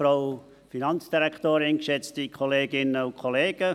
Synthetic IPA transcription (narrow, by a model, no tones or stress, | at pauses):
raʊ | finɑnt͡sd̥iɾɛktoːɾɪnkʃɛt͡stikʰoleːɡɪnəʊkʰoleːɡ̥ə